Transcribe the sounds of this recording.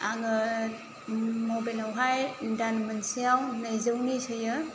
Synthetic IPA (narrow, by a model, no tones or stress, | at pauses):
aŋɯ | mobajlawɦajdanmɐnsijawnajzɯwnisɯjɯ